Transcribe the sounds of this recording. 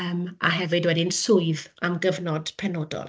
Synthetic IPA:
ma̰ɦɛvɨdwɛdɪnsʊɨðamɡəvnɔd̥pʰɛnɔːdɔ̰lˠ

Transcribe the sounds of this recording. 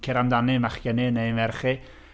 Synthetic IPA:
kʰɪɾamdanɨmaχɡ̥ənɨnejnvɛrχi

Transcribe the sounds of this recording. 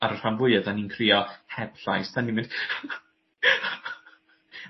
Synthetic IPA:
aɾr̥amvʊɨəðaninkʰriɔhɛb̥ɬajstʰanimɪ̃nd̥

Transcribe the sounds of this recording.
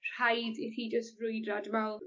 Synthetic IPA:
r̥ajdiθid͡ʒəstvrʊɨdradmalˠ

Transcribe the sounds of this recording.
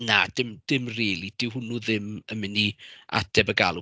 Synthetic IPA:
nad̥ɪmd̥ɪmriːlˠid̥ɪwɦʊnuðɪməmɪnia̰d̥ɛbəɡaːlˠu

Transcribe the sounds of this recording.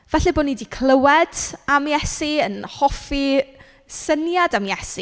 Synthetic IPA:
v̥ɛɬɛboːnidikʰlˠəwɛd̥amjɛsiənhɔfi | sənjadamjɛsi

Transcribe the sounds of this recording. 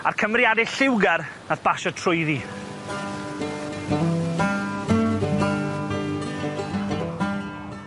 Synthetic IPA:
a̰rkʰəmrɪadɪɬɪwɡɛr | naθb̥aʃɔtʰrʊɨði

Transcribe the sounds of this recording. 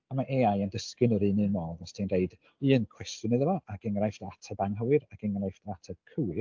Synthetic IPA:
amaʔeajəndəskɪnəɾɨnɨmɔːðɔstʰinreɨd | iːənkʰw̥ɛstjʊnɨðəvɔaɡ̥ɛŋrajftatʰabaŋɦəwɨɾaɡɛŋrajftatʰakʰəwɪ

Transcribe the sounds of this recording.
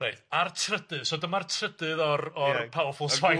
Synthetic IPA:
ejartʰrədɨðsoːdəmartʰrədɨðɔrɔrpʰawɔfʊlˠvaj

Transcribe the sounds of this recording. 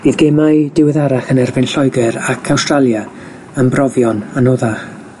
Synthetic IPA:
b̥iːðɡemajdɪwɪðaɾaχənɛrvɪnɬɔjɡɛɾakʰawstralˠja | əmbrɔvjɔnanoðaχ

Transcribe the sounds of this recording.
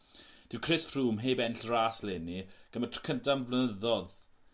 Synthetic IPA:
d̥ɪwkʰrɪsfruːmɦejbɛnɬraːslɛniɡ̥əmətʰrə̥kʰəntʰamvlˠənəðɔð

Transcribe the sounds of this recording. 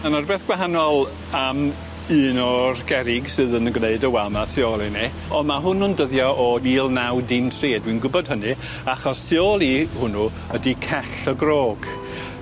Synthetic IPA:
anarbeːθɡ̥waɦanɔlˠ | am | ɨːnɔrɡ̥ɛɾɪɡsɨðənəɡneɨdəwɛlˠmasɪɔlˠini | ɔnmaɦʊnɔndəðjɔʔɔniːlˠnawdɪntʰreːdwinɡʊbɔd̥̚ɦənɨ | aχɔssɪɔlˠihʊnu | ədikʰɛɬəɡroːɡ̥

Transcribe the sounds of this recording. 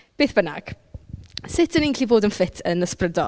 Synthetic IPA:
b̥eːθb̥əna̰ɡ̥ | sɪtʰəniːnɬivoːdənfɪtʰənəsprədɔ̰

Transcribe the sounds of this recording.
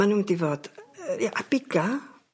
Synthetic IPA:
anudivoːd̥jaʔab̥ɪɡ̥a

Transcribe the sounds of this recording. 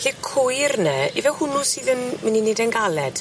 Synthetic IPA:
ɬikʰʊjrnəivɛlhʊnʊsiːðənmɪninedənɡalɛd̥

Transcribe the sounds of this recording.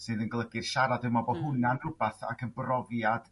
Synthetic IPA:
sɨːðənɡəlˠəɡɨrʃaɾadɨmabɔhʊnanrʊbaθa̰kʰənbrɔvjad̥

